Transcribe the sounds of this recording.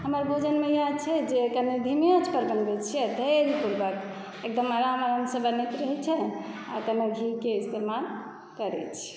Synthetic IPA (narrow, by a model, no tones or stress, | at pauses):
ɦəməɾbʱod͡ʒənmejad̪t͡ʃʰɛd͡ʒekənid̪ʱimiət͡ʃʰpəɾbənbet͡ʃʰiɛt̪əɾipuɾbək | ek̚d̪əmaɾaɦəməɾəmsəbənet̪ɾəɦɛt͡ʃʰɛa̰kəmeɡʱikeist̪emal | kəɾɛ̰t͡ʃʰi̥